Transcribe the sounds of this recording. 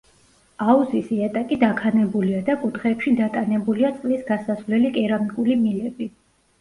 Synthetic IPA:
auzisiat̪ʼakʼid̪akʰanɛbuliad̪akʼut̪χɛːpʃid̪at̪ʼanɛbuliat̪sʼqʼlisɡasasvlɛlikʼɛɾamikʼulimilɛbi

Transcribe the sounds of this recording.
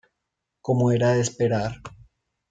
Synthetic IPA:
ko̞moe̞ɾaðespe̞ɾaɾ

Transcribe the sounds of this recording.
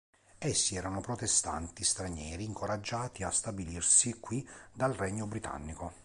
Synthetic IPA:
esːiɛːɾanopɾot̪est̪a̰nt̪ist̪ɾaɲɛːɾiːŋkoɾad͡ʒːaːt̪iast̪abilirsikːwid̪alrɛɲːobɾit̪ʰa̰nːiko

